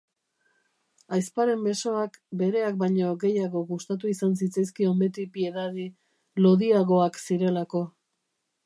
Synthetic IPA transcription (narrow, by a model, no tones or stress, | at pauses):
ajspaɾe̞mbe̞so̞akbe̞ɾe̞ak̚bajɲo̞ɣe̞jaɣo̞ɣust̪at̪̬uisans̬it͡sajs̬kio̞mbe̞t̪ipie̞ðaði | lo̞ðiaɣo̞aksiɾe̞lako̞